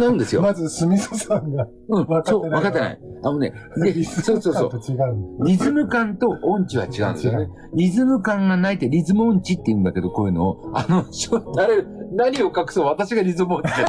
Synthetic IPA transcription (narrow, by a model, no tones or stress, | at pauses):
naɯ̃nd̪esɨjoazɨsɨmʲisosaŋɡa | ɯ̟̃ɴsoːβakat̪ːena̰iano̞ne̞̰d̪esoːso̞ːso̰ːiɡãɾʲizɨmɯ̟kãnt̪o̞ʔõɲ̟t͡ɕiβa̰t͡ɕiɡa̰ɯ̰̃nd̪sjone | ɾʲizɨmɯ̟kãŋɡanait̪e̞ɾʲizɨmɯõ̞ɲ̟t͡ɕit̪ːeiɯ̟̃nd̪ake̞d̪oko̞ːjɯ̟no̞ːano̞ɕonaɾenaɲ̟io̞kakɯ̟̥soːβat̪aɕiɡaɾʲizɨmɯõɲt͡ɕi̥e